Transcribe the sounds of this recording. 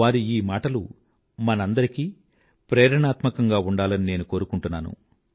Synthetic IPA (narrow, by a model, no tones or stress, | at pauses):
aːɾiiːmaːʈɐlṵ | mɐnɐnd̪ɐɾikiː | pɾɛːɾɐɳaːt̪mɐkɐŋɡaːuɳɖaːlɐnine̞ːnuko̞ːɾukuɳʈunːaːnṵ